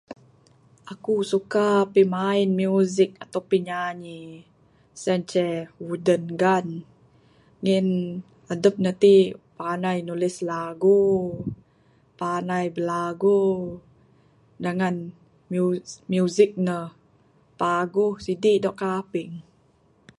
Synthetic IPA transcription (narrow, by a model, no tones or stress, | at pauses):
ʔakusukapimaɪnmjuzɪk̚at̪awpiɲaɲi | sɛnt͡ʃɛwudənɡan | ŋɪn | adəp̚nət̪ipanajnulɪslaɡu | panajbəlaɡu | daŋan | mumjuzɪk̚nəh | paɡuhsidiʔdɔʔkapɪŋ